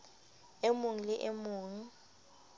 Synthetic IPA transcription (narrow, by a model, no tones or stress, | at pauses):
emuŋilɪʔemuːŋi